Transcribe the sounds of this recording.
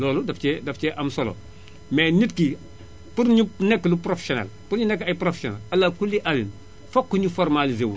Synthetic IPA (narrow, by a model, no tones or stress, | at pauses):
lɔːludaft͡ʃɛdaft͡ʃɛʔamsolo̰ | menitki | puɾɲinɛkːlupɾofe̥sona̰lpuɾɲinɛkːajpɾofesona̰lalːakulːiʔalin | fokːuɲifoɾmalizewuɾ